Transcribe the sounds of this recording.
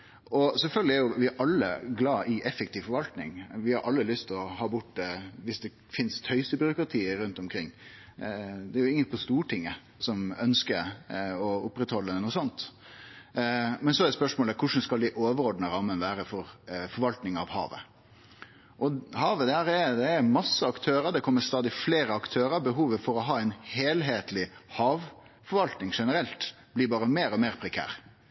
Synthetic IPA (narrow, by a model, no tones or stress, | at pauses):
ʔɔsɛlfœlɡ̪ɪæɾjʊʋɪʔɑlːə̰ɡlɑːʔɪʔɛfːɛk̚t̪ʰɪːʋfɔɾʋɑlt̪nɪ̰ŋʋɪhɑɾʔɑlːəlʏst̪ʰɔhɑːbʊʈ̚ːd̪ɛʋɪsd̪ɛ | fɪnst̪ʰœʏsəbʏɾʊkɾɑt̪ʰiːəɾʉnt̪ɔmkʰɾɪŋː | d̪ɛæɾjʊɪŋːənpʰɔst̪uːʈʰɪŋːə | sɔmœnskəɔʊpːɾɛt̪hɔlːənuːəsɔnt̪ | mɛnsɔɛɖɛspœʂmoːləkʰʊʂn̩skɑld̪ɪʔoːʋəɾɔɖnəɾɑmːənʋæːɾəfɔɾfɔɾʋɑlt̪nɪŋɑʋhɑ̰ːʋə̰ | ʔɔhɑːʋəd̪ɛæɾɛd̪ɛːɾmɑsːəɑkt̪ʰøːɾəɾd̪ɛkʰɔmːəst̪ɑːd̪ɪfleːɾəɑkt̪ʰøːɾəɾbəɦuːʋəfɔɾɔɦɑːɛɪnheːlɦeːt̪ʰlɪhɑːʋ | fɔɾʋɑlt̪nɪŋʂɛnəɾɛlt̪ | bliːbɑːɾəmeːɾɔmeːɾpʰɾɛkʰæ̰ːɾ